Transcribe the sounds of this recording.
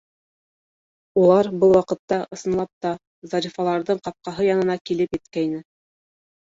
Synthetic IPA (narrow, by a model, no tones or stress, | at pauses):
ulˠɑɾbɤlˠwɑqɤ̆t̪ːɑʔɤ̆sɤ̆nlˠɑp̚t̪ɑ | zɑɾifɑlˠɑɾðɤɴqɑp̚qɑɦɤjɑnɤ̆nɑkilɘpjɘ̆t̪kæjnɘ